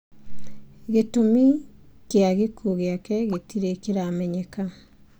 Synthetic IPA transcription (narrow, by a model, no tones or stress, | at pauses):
ɣetomikeaɣekʰuɣeakɛɣetiɾekeɾamɛɲɛka